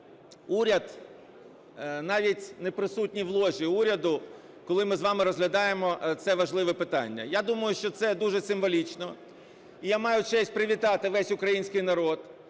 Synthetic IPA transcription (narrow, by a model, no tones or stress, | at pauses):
uɾʲɐd̪ | nɑʋʲitʲnepɾɪsutʲnʲiʋlˠɔʒʲiuɾʲɐd̪ʊ | kɔlˠɪmɪzʋɑmɪɾɔzɦlʲɐd̪ɑjemɔt̪sɛʋɐʒlˠɪʋɛpɪt̪ɑ̰nʲːɐ̰jad̪umɐjʊʃt͡ʃɔt̪sɛd̪uʒɛsɪmʋɔlʲit͡ʃnɔ | ijamɑjʊt͡ʃɛsʲpɾɪʋʲit̪ɑt̪ɪʋɛsʲʊkɾɐjinʲsʲkɪjnɐɾɔd̪